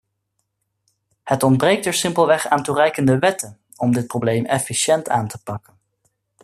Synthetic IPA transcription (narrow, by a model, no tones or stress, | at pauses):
hətɔnd̚brejk̚tɛɹsɪmpəlˠʋɛχaːnturɛjkəndəʋɛtən | ɔmdɪt̚prowblejmɛfiʃɛntʰaːntəpɑkən